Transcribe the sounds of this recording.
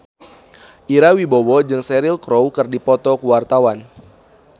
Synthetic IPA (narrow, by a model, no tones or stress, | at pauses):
ʔiɾawibowɔd͡ʒɨŋsɛɾilkɾowkɨrdipɔt̪ɔkuwart̪awan